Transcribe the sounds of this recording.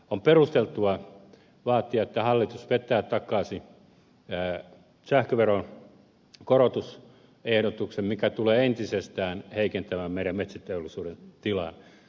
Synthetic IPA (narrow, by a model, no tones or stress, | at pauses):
omperust̪elt̪uɑ | ʋɑːt̪ːiɑet̪ːæhɑlːit̪usʋet̪ːˑæːt̪ɑkˑɑːsiː | sæhkøʋeron | korot̪us | ehɾot̪uksemmikæt̪uleːent̪isest̪æːnheikent̪æmæmmeiɾæmmet̪sæt̪eolːˑisuːɾent̪ilɑ̰n